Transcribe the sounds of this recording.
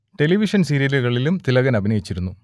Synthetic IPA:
ʈe̞liʋiʂɐnsiɾijɐluɣɐɭilumt̪ilɐɣɐnɐbʱinɐjit͡ɕːiɾunːu

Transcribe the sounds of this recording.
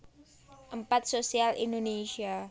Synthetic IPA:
ʔəmpat̪̚sosialindonesia

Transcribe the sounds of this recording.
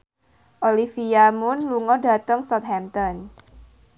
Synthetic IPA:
ʔolifiamʊnluŋɔda̤t̪əŋsɔt̪̚hɛmt̪ɔn

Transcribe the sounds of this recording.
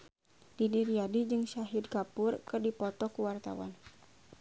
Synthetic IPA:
didiɾiadid͡ʒɨŋʃaɦid̚kapʊrkɨrdipɔt̪ɔkuwart̪a̰wa̰n

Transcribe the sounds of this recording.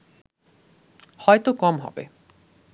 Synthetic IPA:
hɔet̪okɔmɦɔ̰bḛ

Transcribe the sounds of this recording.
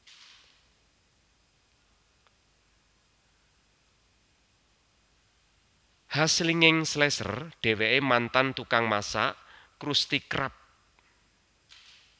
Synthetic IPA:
hasliŋɪŋslɛsə̰rɖ̥e̤weʔemant̪ant̪ukaŋmasa̰ʔkɾust̪ikɾap̚

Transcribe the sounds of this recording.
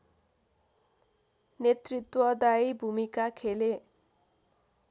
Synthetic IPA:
net̪rit̪wʌd̪ajbʱumikakʰele

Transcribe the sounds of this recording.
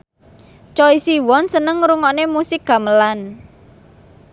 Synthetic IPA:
t͡ʃɔisiwɔnsənəŋɾuŋɔnemusɪk̚ɡ̥a̤məlan

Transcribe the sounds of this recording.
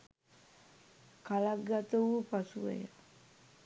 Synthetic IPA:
kalaɡat̪əupasuḛja

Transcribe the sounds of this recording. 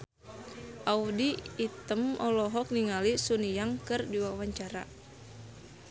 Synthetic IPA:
ʔaudiːt̪əmɔlɔɦɔk̚niŋalisunijaŋkɨrdiwawaɲt͡ʃaɾa̰

